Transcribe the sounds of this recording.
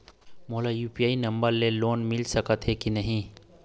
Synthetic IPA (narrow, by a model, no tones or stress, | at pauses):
moːlajuːpiaːinɐ̃mbəɾleloːnmɪlsɐkət̪ɦekinɐɦĩː